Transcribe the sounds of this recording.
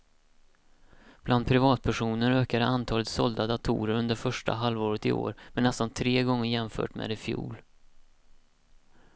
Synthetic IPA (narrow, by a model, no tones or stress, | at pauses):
b̥lʔand̪̚pʰɾɪvɑːt̪̚pʰæʂuːnəɾøːkad̪əant̪ʰɑːlət̪sɔld̪ad̪at̪ʰṵːɾəɾɵnd̪əɾfœʂʈa̰ɦalvoːɾət̪ɪ̰o̰ːɾmɛnːɛst̪ant̪ʰɾeːɡɔŋːəɾjɛmfœ̰ːʈmḛːd̪ɛfjṵːl